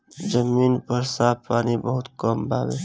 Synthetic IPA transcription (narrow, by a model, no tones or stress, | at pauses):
d͡ʒəmiːnpəɾsaːppaːnibəɦʊt̪kəmbʱaːbeː